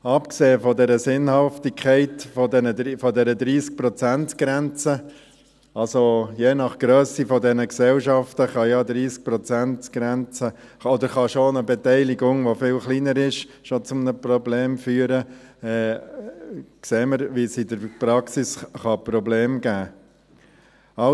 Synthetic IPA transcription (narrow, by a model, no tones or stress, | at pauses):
ɑpkseːəfɔdɛɾəsɪnhɑftikʰχɛɪtfɔdɛnəfɔdɛɾəd̪ɾiːsk̚pɾɔt͡sæntɡ̥ɾɛnt͡sə | ɑlsojeːnɑχɡ̥ɾøːsifɔdɛnəksɛlʃɑftəχɑjɑd̪ɾiːsk̚pɾɔt͡sæntɡ̥ɾɛnt͡sə | ɔd̪əɾχɑʃonəbɛtɛɪliɡʊŋʋofɪːlχliːnəɾɪʃ | ʃot͡sʊmnəprɔbleːmfyːəɾə | ɛː | kseːməɾʋisɪdəɾpɾɑksisχɑpɾɔbleːmɡ̥æː | ɑ